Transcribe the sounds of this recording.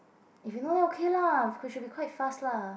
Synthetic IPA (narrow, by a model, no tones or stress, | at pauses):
ɪfjunoːðeokʰelavkʰiʃʊdbikʰw̥aɪtfastla